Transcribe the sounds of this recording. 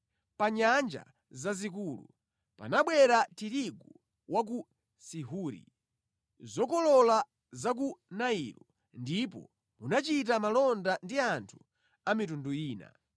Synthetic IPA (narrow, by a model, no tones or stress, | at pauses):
paɲand͡ʒa̰ | zazik̬uːlṵ | pa̰naɓwɛɾatiɾiɡu | wʔak̬u | siɦuːɾḭ | zɔkɔlɔla | zak̬unaḭlɔ | ndip̬ɔ̰ | munat͡ʃit̬amalɔndandiantʰu̥ | amitunduiːna̰